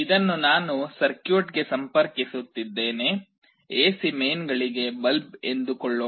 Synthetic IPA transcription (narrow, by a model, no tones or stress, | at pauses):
id̪ɐnːunaːnusɐɾkjuːʈɡe̞sɐmpɐɾkisut̪ːid̪ːe̞ːne̞ | eːsime̞jnɡɐɭiɡe̞bɐlbe̞nd̪ukɔɭːoː